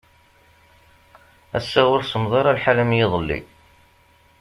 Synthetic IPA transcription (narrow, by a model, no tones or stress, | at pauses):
æ̰sːaʁʊɾsəmðˤɑɾˤɑlħalæmjiðˤəlːḭ